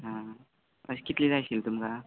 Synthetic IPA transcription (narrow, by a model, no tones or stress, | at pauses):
ɦã | ə̰skit̪lid͡zajsilt̪umka